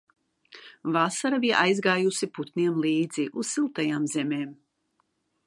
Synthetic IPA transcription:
vasaɾabija̰ʔajzɡaːjusiput̪nʲiɛmlˠiːd̪ziʔuz̥silˠt̪ajaːmzɛmeːm

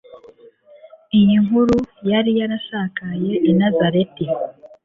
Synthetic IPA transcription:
ijiŋuɾujaɾijaɾaʃaːkaje̞ʔːnazaɾe̞ti

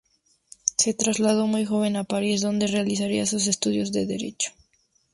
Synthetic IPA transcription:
se̞t̪ɾazlað̞o̞mujxo̞βe̞napaɾisðo̞nd̪e̞realisaɾiasus̬e̞st̪uðjo̞zðe̞ðḛɾe̞̰t͡ʃo̥

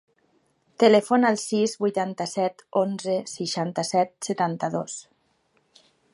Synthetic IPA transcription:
t̪elɛfonəlˠsizbujt̪ant̪əsɛt̪onzəsiʃant̪əsɛt̪̚sət̪ant̪əðos

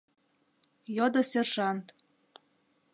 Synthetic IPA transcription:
jod̪ɤ̆sʲerʒɑnt̪

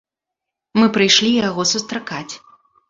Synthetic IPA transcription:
mɨpɾɨjʂlʲijaɣɔsust̪ɾakat͡sʲ

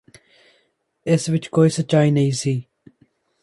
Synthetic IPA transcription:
esʋɪt͡ʃkoːisɐt͡ʃaːinɐĩːsiː

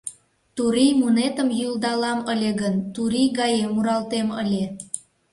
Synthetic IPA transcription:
t̪uɾijmunet̪əmjyld̪ɑlɑməlʲeɣənt̪uɾijɣɑjemːuɾɑlt̪eməlʲe

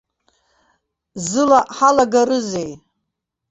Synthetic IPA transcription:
zɨlaʔħalaɡaɾɨzej

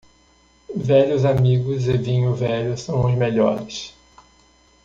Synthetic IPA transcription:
vɛʎʊzamiɡʊzɪvĩɲʊvɛʎʊsɐ̃w̃ʊzmeʎɔɾɪs

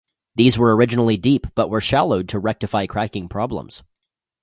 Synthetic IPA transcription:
ðizwə˞ə˞ɪd͡ʒɨnl̩ˠidipb̥ʌʔwə˞ʃælˠoʊd̚tʰəɹɛk̚tɨfaɪkʰɹ̥ækɪ̃ŋpʰɹ̥ɑblə̰̃mz̥

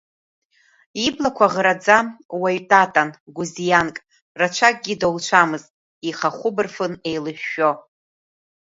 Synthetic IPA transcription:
iblakʷʰaʁɾad͡zawaɥtʼatʼanɡʷuzijankʼ | rat͡ʃʷʰak̚ʼɡʲidowlˠt͡ʃʷʰamɨztʼ | iχaχʷʊbɨrfɨne̞jlɨʃᶣːo

